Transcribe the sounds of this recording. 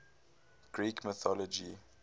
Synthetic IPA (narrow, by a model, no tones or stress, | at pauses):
ɡ̥ɹiːkʰmɪθɔlɔd͡ʒi